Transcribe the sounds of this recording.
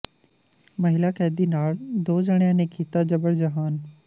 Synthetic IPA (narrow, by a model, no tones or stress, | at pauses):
mɐɦɪlakɛːd̪inaːɭd̪oːd͡ʑəɽ̃ijãnẽkʰiːt̪ad͡ʑɐbəɽd͡ʑɐɦaːn